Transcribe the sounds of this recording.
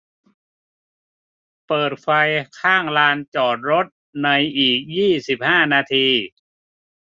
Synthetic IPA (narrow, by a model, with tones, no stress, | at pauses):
pɤː˨˩t̪̚fa˧jkʰaː˥˩ŋlaː˧nt͡ɕɔː˨˩t̪̚ɾo˦˥t̪̚na˧jʔiː˨˩k̚jiː˥˩si˨˩p̚haː˥˩naː˧t̪ʰiː˧